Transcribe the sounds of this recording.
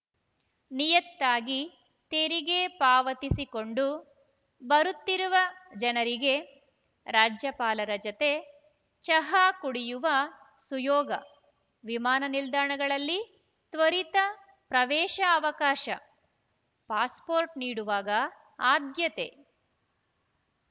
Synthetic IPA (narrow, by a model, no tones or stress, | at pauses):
nijɐt̪ːaːɡi | t̪eːɾiɡe̞paːʋɐt̪isiko̞ɳɖu | bɐɾut̪ːiɾuʋɐd͡ʒɐnɐɾiɡe̞ | ɾaːd͡ʒjɐpaːlɐɾɐd͡ʒɐt̪e̞ | t͡ʃɐɦaːkuɽijuʋɐ | sujɔːɡɐ | ʋimaːnɐnild̪aːɳɐɡɐɭɐlːi | t̪ʋɐɾit̪ɐ | pɾɐʋɛːʃɐːʋɐkaːʃɐ̰ | paːspoːɾʈniːɽuʋaːɡɐ | aːd̪jɐt̪e̞̰